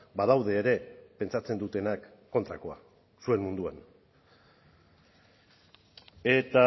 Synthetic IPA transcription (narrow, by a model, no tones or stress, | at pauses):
bað̞awðe̞ːɾe̞pe̞nt͡sat͡se̞nd̪ut̪e̞nakː | o̞nt̪ɾako̞a | sue̞nmund̪uan | e̞t̪a